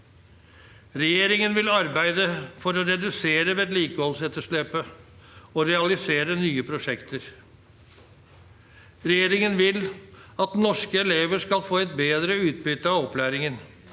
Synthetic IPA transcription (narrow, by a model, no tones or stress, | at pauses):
ɾɛjeːɾɪŋənʋɪlɑɾbæɪd̪əfɔɾɔɾɛd̪ʉseːɾəʋeːd̪liːkəhɔlsɛt̪ːəʂlɛpə | ɔɾɛɑlɪseːɾənyːəpʰɾʊʂɛkt̪əɾ | ɾɛjeːɾɪŋənʋɪlɑt̪nɔʂkəɛleːʋəʂkɑlfoːɛt̪̚beːd̪ɾəʉːt̪̚bʏt̪ːəɑɔplæːɾɪŋən